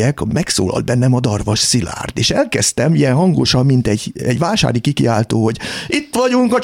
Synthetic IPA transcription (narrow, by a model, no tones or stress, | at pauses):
ɛkmɛkso̰ːlɒ̰ld̪bɛnːɛmɒd̪ɒrʋɒʃsila̰ːrt̪eːʃɛlkɛst̪ɛmijɛnɦɒŋɡoʃɒmːint̪ɛɟɛɟʋaːlʃa̰ːɾikikiaːlt̪oːho̞ɟit̪ːʋɒɟuŋkɒ